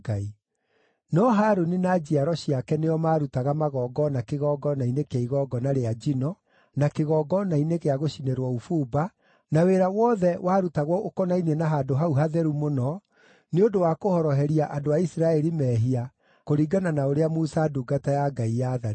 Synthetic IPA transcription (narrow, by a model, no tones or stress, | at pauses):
ɡai | nɔɦaɾunenad͡ʑiaɾɔɕiakɛnejɔmaːɾutaɣamaɣɔːɡɔnakeɣɔɡɔnainekeaiɣɔɡɔnaɾead͡ʑinɔ | nakeɣɔːɡɔnainekeaɣoʃineɾwɔufuːba | naweɾawɔðɛwaɾutaɣwɔokɔnainenaɦaːdoɦauɦaðɛɾumonɔ | neodowakohɔɾɔɦɛɾiaʔadoaisɾaɛɾimɛːɦia | koɾiːɡananaoɾeamusaduɡatajaɡaijaðaɾ